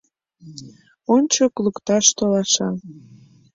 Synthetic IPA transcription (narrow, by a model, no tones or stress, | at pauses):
onʲt͡ɕoklukt̪ɑʃt̪olɑʃɑ